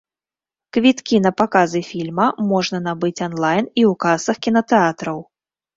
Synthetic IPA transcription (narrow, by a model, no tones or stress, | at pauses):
kvʲit̪kʲin̪ɐpakazɨfʲilʲmɐmɔʐnɐnabɨt͡sʲɔnlˠajniwkasɐxkʲinɐt̪ɛat̪ɾɐw